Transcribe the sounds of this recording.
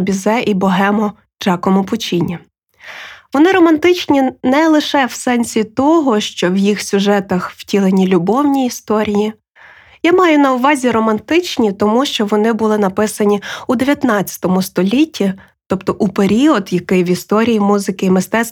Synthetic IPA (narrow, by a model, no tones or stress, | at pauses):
bʲizɛʔibɔɦɛmɔ | d͡ʒɑkɔmʊpʊt͡ʃʲinʲːi | ʋɔnɪɾɔmɐnt̪ɪt͡ʃnʲinɛlˠɪʃɛwsɛnʲsʲit̪ɔɦɔʃt͡ʃɔwjixsʲʊʒɛt̪ɐxw̥tʲilˠenʲilʲʊbɔwnʲiːst̪ɔɾʲiji | jamɑjʊnɐʊʋɑzʲiɾɔmɐnt̪ɪt͡ʃnʲit̪ɔmuʃt͡ʃɔʋɔnɪbʊlˠɪnɐpɪsɐnʲiud̪eʋʲjɐt̪nɑt͡sʲːɐ̥t̪ɔmʊst̪ɔlʲitʲːi | t̪ɔpt̪ɔʔupeɾʲiɔd̪jɐkɪjʋist̪ɔɾʲijimuzɪkɪimɪst̪ɛs